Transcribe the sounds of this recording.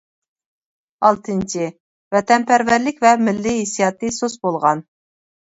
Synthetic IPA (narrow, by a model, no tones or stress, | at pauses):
ɑlˠt̪ʰɨnt͡ʃʰɪ | vɛt̪ɛnpʰæɾvæɾlɪkʲvɛmɪlːiɦesijɑt̪ɨsosbolˠʁɑn